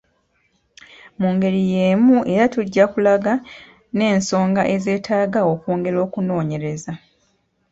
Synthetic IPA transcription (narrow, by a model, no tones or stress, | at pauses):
muːŋɡe̞ɾije̞ːmuʔe̞ɾatuɟːakulaɡa | ne̞ːnso̞ːŋɡaʔe̞ze̞ːtʰaːɡao̞koːŋɡe̞ɾo̞ːkuno̞ːɲe̞ɾe̞za